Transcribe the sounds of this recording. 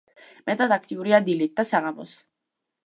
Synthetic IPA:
mɛt̪ʼad̪ak̚ʰt̪ʼiuɾiad̪ilit̪̚d̪asaʁamɔ̰s

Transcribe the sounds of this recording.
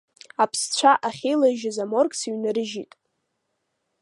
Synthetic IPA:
apʰst͡ɕʷʰaʔaχʲejlaʒɪzamorkʼsiɥnɨɾɨʒitʼ

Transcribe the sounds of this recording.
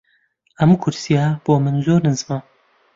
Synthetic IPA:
hɐmukʰʊɾsijɑːb̥oːmɨnzoːɾɨnzɨmɑːn

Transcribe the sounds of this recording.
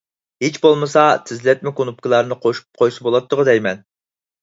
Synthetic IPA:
het͡ʃbolˠmɨsɑt̪ʰɪzlɛt̪̚mɪkonup̚kɪlˠɑɾnɨqʰoʃu̥p̚qʰojsɨbolˠɑt̪ːʊʁəd̪ɛjmɛn

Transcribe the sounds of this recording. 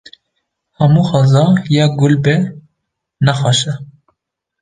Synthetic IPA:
hɛmuxɑzɑjɛːɡʊlbɛ | næxɑʃɛ

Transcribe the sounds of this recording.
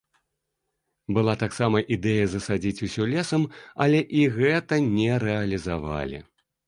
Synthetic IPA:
bɨlˠat̪aksamɐʔid̪ɛjɐzɐsad͡zʲit͡sʲusʲɔlʲɛsɐmɐlʲɛʔiɣɛt̪ɐnʲɛɾɛɐlʲizava̰lʲḭ

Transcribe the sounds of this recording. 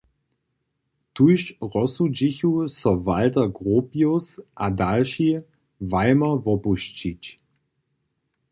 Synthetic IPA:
tʰuʃʁɔsud͡ʒɪçusɔvaltɐɡʁoːpjosʔadalʃi | vaɪmɐvɔpuʃt͡ʃit͡ʃ

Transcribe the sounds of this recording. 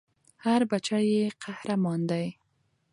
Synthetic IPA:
haɾbat͡ʃajeqahɾamɑnd̪aj

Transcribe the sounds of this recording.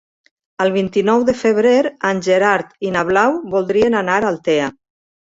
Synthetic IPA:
əlˠβ̞int̪inɔwðəfəβ̞ɾeɾanʲʒeɾaɾt̪inaβlawβulˠd̪ɾienanaɾalˠt̪ea

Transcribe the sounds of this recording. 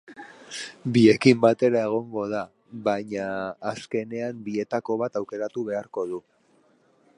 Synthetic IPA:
bie̞kimbat̪e̞ɾae̞ɣ̞o̞ŋɡo̞ð̞a | βaɲaːske̞ne̞ambie̞t̪ako̞β̞at̪awke̞ɾat̪uβ̞e̞aɾko̞ðu

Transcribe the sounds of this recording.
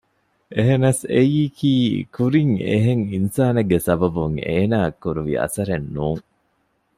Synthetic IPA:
ʔeɦenɐsejiːkiːkuɾiŋḛɦeŋinsaːnɐɡːesɐbɐbuŋeːnaːɐkːuɾuʋḭɐ̰sɐɾenːuːŋ

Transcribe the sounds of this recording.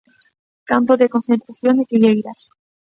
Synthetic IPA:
kampoðekonθe̞nt̪ɾaθjonesijeiɾas

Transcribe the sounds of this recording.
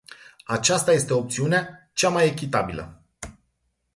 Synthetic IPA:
at͡ʃast̪aje̞st̪e̞op̚t̪siunea | t͡ʃamaje̞kʲit̪abilə̰

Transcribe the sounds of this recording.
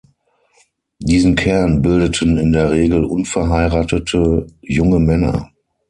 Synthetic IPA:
d̥iːzn̩kʰɛɐnbɪldətʰənɪndeːɐʁeːɡl̩ʔʊnfɛɐɦaɪʁaːtətʰəjʊŋəmɛnɐ̰

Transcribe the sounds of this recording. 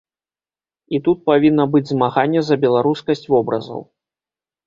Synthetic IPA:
it̪ut̪̚pavʲinːɐbɨd͡zʲzmaɣanʲːɛzɐbʲɛlˠaɾuskɐsʲt͡sʲvɔbɾɐ̰zɐ̰w

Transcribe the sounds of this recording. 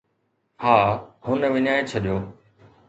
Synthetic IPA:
haːhʊnʋɪɲaːet͡ɕʰɐɗijoː

